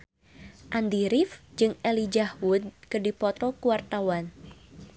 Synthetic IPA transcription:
ʔand̪iɾifd͡ʒɨŋɛlid͡ʒahwud̪̚kɨdipɔt̪ɔkuwart̪awan

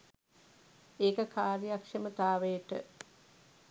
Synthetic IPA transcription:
eːkəkaːrjjakʂɐmət̪aːʋejəʈə̰

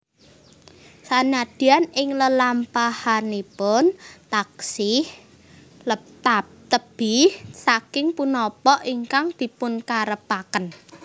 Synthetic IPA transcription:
sanad̪̥i̤anɪŋləlampahanipʊnt̪aksɪh | lət̪ap̚t̪əb̥ɪhsakɪŋpunɔpɔʔiŋkaŋd̪̥i̤pʊnkaɾəpakən

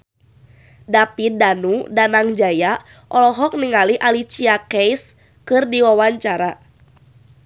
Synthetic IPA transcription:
dapidanudanaŋd͡ʒaja | ʔɔlɔɦɔk̚niŋaliʔalit͡ʃiakɛjs | kɨrdiwawaɲt͡ʃaɾa

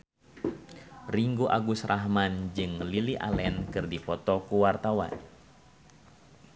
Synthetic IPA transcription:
riŋɡuʔa̰ɡusrʔaɦmand͡ʒɨŋəliliʔa̰lɛnkɨrdipɔt̪ɔkuwart̪awa̰n

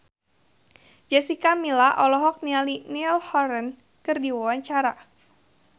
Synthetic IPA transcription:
d͡ʒɛsikamilaʔɔlɔɦɔk̚nialinilhɔɾən | kɨrdiwawaɲt͡ʃaɾa

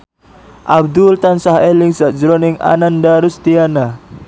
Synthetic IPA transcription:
ʔab̚d̪ʊlt̪ansaɦelɪŋsaʔd͡ʒəɾonɪŋa̰nandaɾʊst̪iana

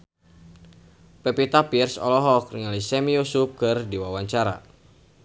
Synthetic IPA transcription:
pɛpit̪apirsɔ̰lɔɦɔk̚riŋalisɛmijusup̚kɨrdiwawaɲt͡ʃaɾa̰

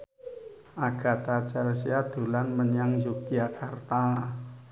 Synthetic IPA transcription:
ʔaɡ̥a̤t̪at͡ʃalsiad̪̥ṳlanməɲaŋjukiakart̪a

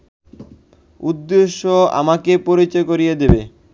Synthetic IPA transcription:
ud̪ːeʃːoa̰makepoɾit͡ɕɔekoɾijed̪ebe

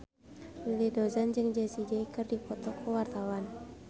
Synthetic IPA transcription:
ilidɔzand͡ʒɨŋd͡ʒɛsid͡ʒɛikɨrdipɔt̪ɔkʰuwart̪awan

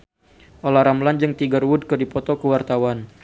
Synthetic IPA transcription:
ʔolahɾamland͡ʒɨŋt̪iɡərwud̚kɨrdipɔt̪ɔkəwart̪awan

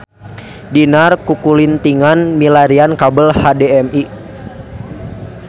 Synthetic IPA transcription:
dinarkukulint̪iŋanmilaɾiankabəlhadɛɛmi

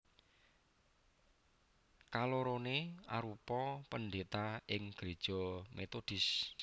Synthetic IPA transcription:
kaloɾoneaɾupɔpəndɖet̪aɪŋɡ̥ɾed̥ʒ̥ɔmet̪od̪̥ɪs

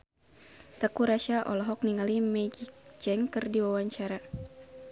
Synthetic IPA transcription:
t̪əkuɾaʃaʔɔ̰lɔɦɔk̚niŋalimɛd͡ʒikd͡ʒɛŋkərdiwawaɲt͡ʃaɾa

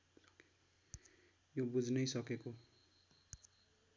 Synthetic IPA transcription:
jobud͡zʱnʌjsʌkeko

